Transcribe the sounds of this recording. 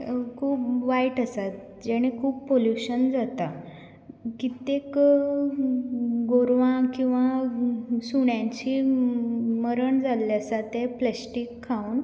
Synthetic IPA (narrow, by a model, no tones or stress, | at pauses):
kʰuːpʋaiʈəsat̪ | d͡ʑɛɽ̃ekʰuːppoljuɕənd͡zat̪a | kit̪ek | ɡoɾʋãkĩw̃ʋa | suɽjãɲt͡ɕiː | məɾəɳd͡zalːjasat̪ɛplɛsʈikʰːauːn